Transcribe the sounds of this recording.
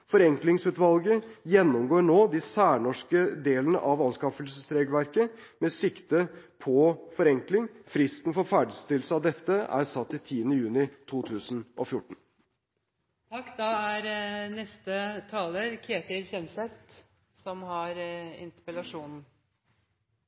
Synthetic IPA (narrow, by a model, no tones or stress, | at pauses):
fɔɾɛŋklɪŋsʉːt̪ʋɑlɡəjɛnːɔmɡoːɾɳoːd̪ɪsæːɳɔʂkəd̪eːlənə̰ʔɑʋɑnskɑfəlsəst̪ʰɾeːɡʋæɾkə | mɛsɪkt̪əpʰɔfɔɾɛŋklɪŋfɾɪst̪n̩fɔɾfæːɖəst̪ɪlsəɑʋd̪ɛt̪ːəæ̰ɾsɑt̪ːɪt̪ʰiːənəjʉːnɪt̪ʰuːt̪ʰʉːsn̩ʔɔfjʊʈːɳ̩ | t̪ʰɑkːd̪ɑæɾnɛst̪ət̪ʰɑːləɾkʰeːt̪ɪɾçɛnsɛt̪ | sɔmhɑɾɪ̰nt̪əɾpəlɑʂuːnn̩